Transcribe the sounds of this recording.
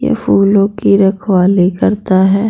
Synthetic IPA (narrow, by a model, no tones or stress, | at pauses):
jḛfuːlõkiɾɐkʰwaːlikɐɾt̪aɦɛː